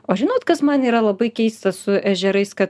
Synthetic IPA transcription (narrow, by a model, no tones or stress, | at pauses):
oːʒʲɪnoːt̪kɐsmɐniːɾɐlˠɐbɐɪkʲɛɪst̪ɐsʊʔæʒʲɛɾɐɪskɐt̪